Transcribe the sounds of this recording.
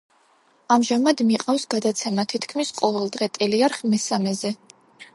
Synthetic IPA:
amʒamad̪miqʼafsɡad̪at̪sʰɛmat̪ʰit̪ʰkʰmisqʼɔvɛlˠd̪ʁɛt̪ʼɛliaɾχmɛsamɛzɛ

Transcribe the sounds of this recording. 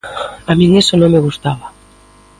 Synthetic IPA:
amĩŋesonõŋmeɣust̪aβa

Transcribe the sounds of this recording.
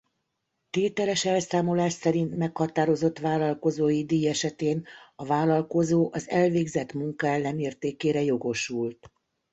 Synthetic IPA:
t̪eːt̪ɛlɛʃɛlsaːmo̞laːʃsɛɾint̪mɛkhɒt̪aːɾo̞zo̞t̪ʋaːlɒlko̞zoːjid̪iɛʃɛt̪eːnɒvaːlɒlko̞zoːʔɒzɛlveːɡzɛt̪muŋkɒɛlːɛneːrt̪eːkeːɾɛjo̞ɡo̞ʃult̪

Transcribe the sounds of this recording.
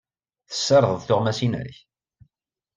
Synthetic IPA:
θə̥sːɑɾˤəðˤəðˤθʊʁmæsinə̰ɾç

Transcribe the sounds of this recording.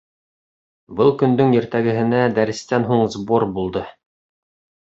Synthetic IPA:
bɤlˠkɵ̆nd̪ɵŋjɘ̆ɾt̪æɡɘ̆ɦɘ̆næd̪æɾɘ̆st̪ænɦuɴzboɾbulˠd̪ɤ

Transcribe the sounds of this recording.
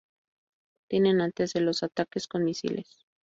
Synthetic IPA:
t̪jene̞nant̪e̞zelo̞sat̪ake̞sko̞nmisḭle̞̰s

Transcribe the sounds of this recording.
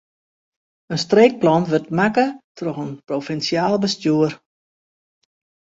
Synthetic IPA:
ənstreːk̚plɔnʋøtmakətrɔxənprofɛnsjaːlˠbəstjuər

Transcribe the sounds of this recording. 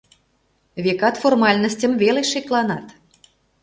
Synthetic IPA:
βʲekɑt̪formɑlʲnəsʲtʲə̆mvʲelʲeʃeklˠɑnɑt̪

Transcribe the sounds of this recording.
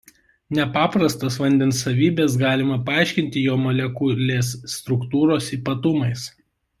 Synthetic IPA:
nʲɛpɑːpɾɐst̪ɐsʋɐnʲd̪ʲɛnsːɐʋʲiːbʲɛsɡɑːlʲɪmɐpɐɑˑɪʃʲkʲɪnʲt̪ʲɪjoːmɐlʲɛkʊlʲeːsːt̪ɾʊkt̪uːɾoːsiːpɐt̪ʊmɐɪs

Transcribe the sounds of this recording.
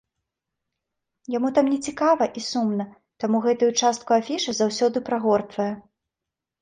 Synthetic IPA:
jamut̪amnʲɛt͡sʲikavɐʔisumnɐ | t̪amuɣɛt̪ujut͡ʂast̪̚kuafʲiʂɨzawsʲɔd̪ɨpɾaɣɔrt̪vɐjɐ

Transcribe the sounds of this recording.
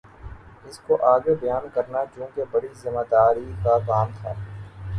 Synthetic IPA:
ɪskoʔaːɡebɐjaːnkəɾnat͡ʃjũːkebɐɽizɪmaːd̪aːɾikakaːmt̪ʰaː

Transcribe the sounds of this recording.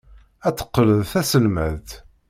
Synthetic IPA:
æt͡sːə̥qːələðθæsəlmæðt̪

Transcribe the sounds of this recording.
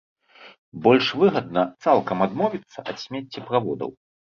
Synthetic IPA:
bɔlʲʂvɨɣɐd̪̚nɐt̪salˠkɐmad̪mɔvʲit̪sːɐʔɐt̪sʲmʲɛt͡sʲːɛpɾavɔd̪ɐ̰w

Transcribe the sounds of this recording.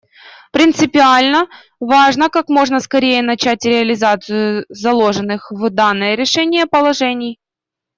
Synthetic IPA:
pɾʲɪnt̪sɨpʲɪalʲnə | vaʐnəkakmo̞ʐnəskɐɾʲejənɐt͡ɕætʲɾʲɪɐlʲɪzat̪sɨjʊzɐlˠo̞ʐɨnːɨxvd̪anːɨjəɾʲɪʂɛnʲɪjəpəlˠɐʐɛnʲɪj

